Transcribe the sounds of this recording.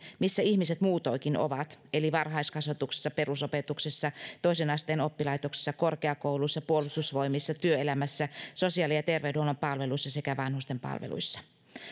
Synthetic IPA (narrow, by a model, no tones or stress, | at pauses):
misːæihmiset̪muːt̪oikino̰ʋɑt̪eliʋɑrɦɑiskɑsʋɑt̪ukse̥sːɑpe̞rusopet̪uksesːɑt̪o̞isenɑst̪eːno̞pːilɑit̪okse̥sːɑkorkeɑkowluisːɑpuolust̪usʋo̞imisːɑt̪yøelæmæsːæso̞siɑlijɑt̪e̞rʋewdeolːɑmpɑlʋe̞luisːɑsekæʋɑnhust̪empɑ̰lʋḛlṵisːɑ̥